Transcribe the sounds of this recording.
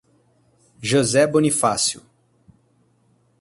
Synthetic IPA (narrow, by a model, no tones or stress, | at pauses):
ʒozɛbonifasiṵ